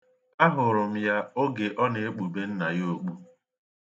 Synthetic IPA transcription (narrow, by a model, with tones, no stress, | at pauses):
a˦ɦʊ˨ɾʊ˨m̩˦ja˦o˦ɡe˨ʔɔ˦ne˨e˦k͡pu˨be˦n̩˦na˨jo˦˨k͡pu˦